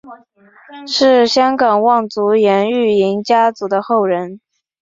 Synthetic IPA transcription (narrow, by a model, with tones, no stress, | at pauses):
ʂɻ̩˥˩ɕjɑ˥ŋkɑ˨˩ŋwɑ˥˩ŋt͡su˧˥jɛ˧˥ny˥˩i˧˥ŋt͡ɕja˥t͡su˧˥d̪ə˧xo˥˩ʊɻə˧˥n